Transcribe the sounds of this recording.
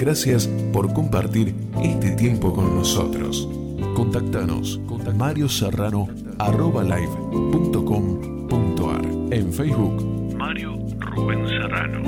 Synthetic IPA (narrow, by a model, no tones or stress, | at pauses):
ɡɾasjaspoɾkompaɾt̪iɾ | est̪et̪jempoko̞nːoso̰t̪ɾo̰s | kont̪ak̚t̪ano̰s | kont̪amaɾjoserano | aroβalajβ | punt̪okom | punt̪oa̰ɾeɱfɛjsβuk | maɾjo | ruβensera̰no̰